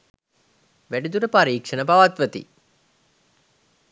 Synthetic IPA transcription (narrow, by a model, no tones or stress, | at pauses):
ʋæɖid̪uɾəpaɾiːkʂənəpaʋat̪ʋət̪ḭ